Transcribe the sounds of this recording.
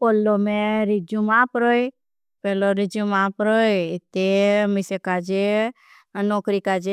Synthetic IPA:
olːomẽɾid͡ʒumaːpɾoe | pɛːloɾɪd͡ʒumaːpɾoːet̪emɪsekad͡ʒe | noːkɾikaːd͡ʒe

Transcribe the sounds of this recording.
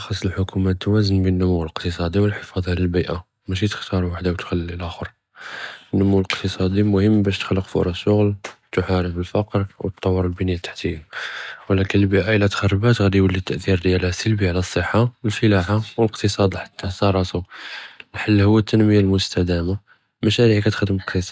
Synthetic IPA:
ʔxɑsˤːəlħʊkʰumæt̪ːwæzənbənːʊmuwləqt̪əsˤɑd̪iwəlħəfɑd̪ˤjlælbiʔa | mæʃ̬it̪ə̥xt̪ɑɾˤwaħd̪awt̪xælːilæxəɾˤ | ənːʊmuwləqt̪əsˤɑd̪imʊhəmːbæʃt̪ə̥xlːəqfʊ̰ɾˤɑʃːʊɣlt̪ʊħaɾəfəlfɑqɾwət̪ˤːɑwːəɾˤlbənjat̪ːḁħt̪ihwlækənəlbiʔaʔəlæt̪xɑrˤːbæt̪ɣæd̪ijwəlːit̪ːəʔθiɾd̪jælhæsəlbiʕlæsˤːəħːawəlfəlaħawələqt̪əsˤɑd̪ˤiħḁt̪ːæsɑɾˤɑsu | lħalːhʊwːæt̪ːənməjalmʊst̪æd̪æma | mæʃæɾiʕikæt̪xəd̪əmləqt̪əsˤɑ

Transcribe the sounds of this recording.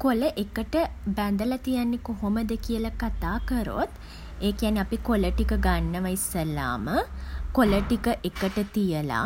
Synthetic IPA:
koləʔekəʈəbænd̪əlat̪ijanːekoɦoməd̪əkijəlakat̪aːkəɾo̰t̪ | eːkejaniapikoləʈikəɡanːəʋajsːəla̰ːməkoləʈikəʔekəʈət̪ijəla̰

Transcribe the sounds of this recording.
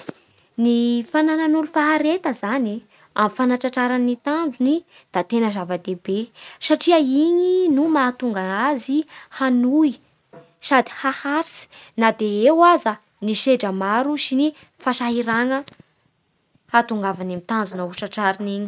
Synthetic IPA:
nifanananulufaɦaɾet̪əzani | amfanaʈ͡ʂaʈ͡ʂaɾanːit̪and͡zuni | d̪̥at̪enəzavəd̪ebesaʈ͡ʂiəiɲinumat̪uŋɡaazihanui | sad̪i̥hahaɾisi̥nad̪eewazə | niʃeɖ͡ʐəmaɾusini | faʃaɦiɾaŋə | hat̪uŋɡavanamit̪and͡zunəuʈ͡ʂaʈ͡ʂaɾiniɲi̥

